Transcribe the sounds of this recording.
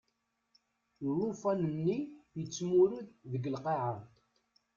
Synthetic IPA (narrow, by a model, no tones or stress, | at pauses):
rufænənːijət͡sːmuɾuððəɡəlqeʕa